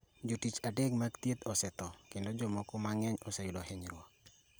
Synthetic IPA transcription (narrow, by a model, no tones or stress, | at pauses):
d͡ʒotit͡ʃadeɡmakt̪jet̪ɔsɛt̪ɔkendod͡ʒɔmɔkɔmaŋɛɲɔsɛjʊdɔhɛɲɾwɔ